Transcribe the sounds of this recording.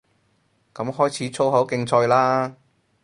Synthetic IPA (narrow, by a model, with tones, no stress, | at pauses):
kɐ˨˥mɦɔː˥jt͡sʰiː˨˥t͡sʰo˥wɦɐ˨˥wkɪ˧ŋt͡sʰɔː˧jlaː˥